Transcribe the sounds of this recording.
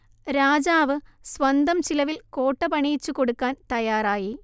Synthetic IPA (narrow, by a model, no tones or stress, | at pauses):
ɾaːd͡ʑaːʋɨsʋɐnd̪ɐmt͡ɕilɐʋilkoːʈːɐpɐɳijt͡ʃːukɔɽɯkːaːnt̪ɐjaːɾaːji